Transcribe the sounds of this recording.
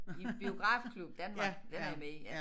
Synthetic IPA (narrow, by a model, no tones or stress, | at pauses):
ib̥io̝ɡ̥ʁɑ̰̈ːfkʰlub̥d̥ænmɑɡ̥d̥ænɑimei